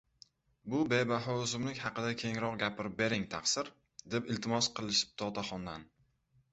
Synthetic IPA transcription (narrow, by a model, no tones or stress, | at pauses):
bʊbe̞baɦɒʊzɪmlɪkʲhɑqɨd̪akʲʰe̞ŋɾɒq̚ɡʲapʰɪɾɪp̚be̞ɾɪŋt̪ʰɑqsɪɾ | d̪epɪlt̪ʰɪmɒsqʰɨlˠɪʃɪ̥p̚t̪ʰɒt̪ʰaχɒnd̪an